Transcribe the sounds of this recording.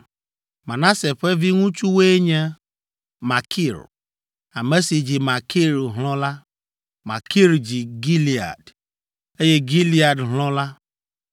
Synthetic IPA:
ma˨na˦se˨fe˦vi˦ŋũ˦t͡ʃu˦we˦ɲe˦ | ma˨kʰi˦˨ɾ | a˨me˦si˨d͡ʒi˨ma˨ki˦ɾɦlɔ̃˦la˦ | ma˨ki˦ɾd͡ʒi˨ɡi˦li˨a̰˨d | e˦je˦ɡi˦li˦a˨dɦlɔ̃˦la˦

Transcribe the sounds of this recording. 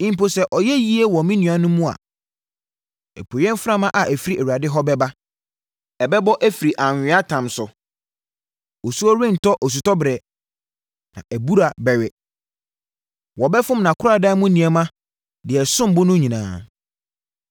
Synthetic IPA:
ĩ˦m˦po˦sɛ˦ʔɔ˨jɛ˦ji˦e˦wɔ˨mĩ˦nĩ˨ã˦nʊ̃˦mũ˦a̰˨ | ɛ̰˨pʰo˨jɛ̃˦nfã˦mã˦ʔa˨ʔæ˨fi˦ɾi˦ʔɛ˨wu˨ɾa˨dɪ˦ɦɔ˦bɛ˦ba˦ | ɛ˨bɛ˦bɔ˦ʔæ˦fi˨ɾi˨ʔa˨ɲᶣ˨ɪ̃˦a˦tʰã˨msʊ˨ | o˨su˦ɔ˦ɾẽ˦n̩˨tɔ˦ʔɔ˨s̬u˨tɔ˦bɾɛ˨ | nã̰˨ʔæ˨bu˦ɾa˨bɛ˨ɥɛ˨ | wɔ˨bɛ˦fʊ̃˦mnã˨kʰʊ˦ɾa˨dã˦mʊ̃˦nĩ˨ɛ˨mã˦ | dɪ˨ɛ˨sʊ̃˦m˨bʊ˦nʊ̃˦ɲĩ˨nã̰ː˨

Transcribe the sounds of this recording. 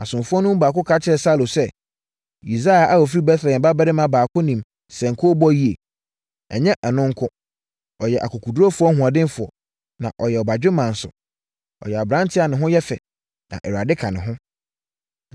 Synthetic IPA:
a˨sʊ̃˨mfʊ˦ɔ˦nʊ̃˦m˦baː˨kʊ˦kʰa˦t͡ɕʰɪ˦ɛ˨sa˦lo˨sɛ˦ | i˨za˦a˨ʔa˦wɔ˨f̬i˦ɾi˦bɛ˦θɾɛ˨ɛ̃˨ba˦bɛ˦ɾɪ˦mã˦baː˨kʰʊ˦nĩ˨m | sɛ̃˨ŋ̩˨kʰo˦bɔ˦ji˦e˨ | ɛ̰˨ɲɛ̃˦ʔɛ˨nʊ̃˦ŋ˦kʰʊ˦ | ɔ˨jɛ˨ʔa̰˨kʰɔ˨kʰu˨du˦ɾo˦fʊ˦ɔ˦ɦũ˨ã˨dɪ̃˦n˦fʊ˨ɔ̰˨ | nã̰˨ʔɔ˨jɛ˨ɔ˨ba˨d͡ʑᶣɪ˦mã˨n̩˨sʊ̰˨ | ɔ̰˨jɛ˨a˨bɾã˦ntʰɪ˦a˨nɪ̃˨ɦʊ̃˦jɛ˦fɛ̰˨ | nã̰˨ʔɛ˨ɾa˨dɪ˦kʰã˨nɪ̃˨ɦʊ̃˦

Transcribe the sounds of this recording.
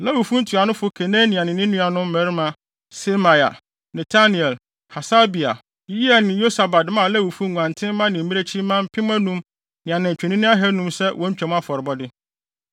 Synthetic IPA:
la˦wu˨fũ˦n̩˦tʰu˨a˨nʊ̃˦fʊ˦kʰe˨nẽː˦nĩ˨ã˨nɪ̃˨nɪ̃˦nũ˦a˨nʊ̃˦m˦mæ˨ɾi˦mã˦ | se˦ma˨ja̰˨ | nɛ˨tʰa˦ni˨ɛ˨l | ha˨sa˦bi˨a̰˨˦ | i˦a˨nɪ̃˨jo˦sa˨ba˨dmã˦˨lɛ˦wu˨fu˦ŋʷ˨ã˨ntʰɪ̃˦m˦mã˦nɪ̃˨m̩˨˦ĩ˦e˦t͡ɕʰi˦mã˦m̩˦pʰɪ̃˦m˦æ̃˦nũ˦m | nɪ̃˨ã˨nɪ̃˨t͡ɕᶣɛ˨nĩ˦nʊ̃˦a˦ɦɛ˦nũ˦msɛ˦wʔɔ̃˦ɲ̩˦t͡ɕᶣɛ˨m̃˦a˦fɔ˨ɾɪ˨bɔ˦dɪ˦

